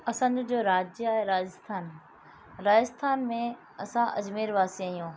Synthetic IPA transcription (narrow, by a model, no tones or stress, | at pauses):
ɐsə̃nd̪ʊd͡ʑoːɾaːd͡ʑjaːɦeɾaːd͡ʑəst̪ʰaːn | ɾaːd͡ʑəst̪ʰaːnmẽ | ɐsãʔɐd͡ʑmeːɾʋaːsiaːɦijõː